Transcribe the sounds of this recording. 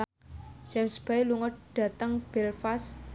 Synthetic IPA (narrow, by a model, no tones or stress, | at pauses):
d͡ʒ̥ɛmsb̥ailuŋɔd̚ɖ̥a̤t̪əŋb̥ɛlfas